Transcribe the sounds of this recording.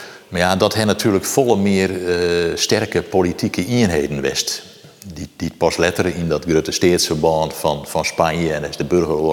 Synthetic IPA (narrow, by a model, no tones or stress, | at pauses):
majadɔthɛnatʰyːləkfolˠəmɪərstɛrkəpolitʰikəʔiənɦeːdən̩ʋɛ̰st | did̥it̚pɔslɛtərindɔtɡrøtəsteːətsfərbɔːnfɔnfɔnspanjəɛndɔɪsdəbørɣəro